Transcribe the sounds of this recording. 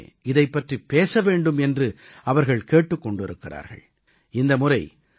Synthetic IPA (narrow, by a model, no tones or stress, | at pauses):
ɪðɐɪpːɐʈripːeːsɐʋeːɳɖɯmɛndrɯ | ɐʋɐɾɣɐɭkeːʈːɯkːɔɳɖɪɾɯkːɪra̰ːɾɣɐ̰ɭ | ɪnd̪ɐmʊrɐɪ